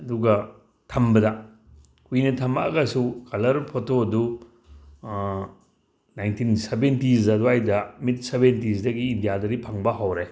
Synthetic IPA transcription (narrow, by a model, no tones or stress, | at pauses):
ɐduɡɐ | tʰɐmbɐdɐ | kuinɐtʰɐmaɐɡɐsukɐlɐɾpʰotoɐdu | najntʰinsebentizɐduajdɐmit̚sebentizdɐɡiːndijadɐɾipʰɐŋbɐɦawɾe